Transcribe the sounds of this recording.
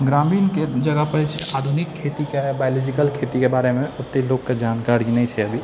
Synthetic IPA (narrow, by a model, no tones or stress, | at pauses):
ɡɾamiːnked͡ʒəɡəpəɾt͡ʃʰɛad̪ʱunikʰːet̪ikebajolɔd͡ʒikəlkʰet̪ikebaːɾemẽʊt̪ːeloɡked͡ʒankaɾɡinɛt͡ʃʰɛəbʱi